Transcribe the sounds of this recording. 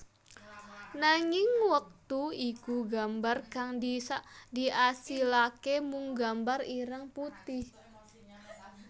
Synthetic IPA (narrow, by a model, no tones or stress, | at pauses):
naŋɪŋwək̚t̪uikuɡambarkaŋdisadiʔasilakemuŋɡambariɾəŋput̪ɪh